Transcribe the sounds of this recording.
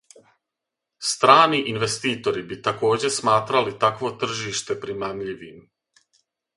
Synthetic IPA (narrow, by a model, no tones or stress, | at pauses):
st̪ɾaːniʔinʋe̞st̪iːt̪o̞ɾibit̪ako̞ːd͡ʑe̞smaːt̪ɾalit̪akʋo̞t̪r̩ʒiːʃt̪e̞pɾimaːmʎiʋiːm